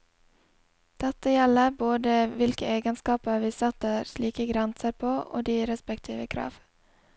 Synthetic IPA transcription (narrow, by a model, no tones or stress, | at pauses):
d̪̥ɛt̪əjɛləboːd̪əʋɪlkəeːɡənskɑːpəɾʋiːsɑt̪əɾsliːkəɡɾɛnsəɾpʰoːʔo̰ːd̪iːɾɛspɛkt̪ʰiːʋəkʰɾɑ̰ːʋ